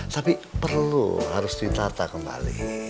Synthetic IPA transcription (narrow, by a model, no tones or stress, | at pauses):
t̪apipərlṵɦaɾʊsd̪it̪at̪akəmba̰lḭ